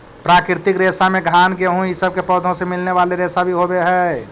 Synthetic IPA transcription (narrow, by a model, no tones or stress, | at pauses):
pɾaːkɾɪɾt̪ɪkɾeːsamẽɡʱaːnkeɦũisəb̚kepɔd̪ʱõsemɪlneʋaːleɾeːsabʱiɦobeɦɛ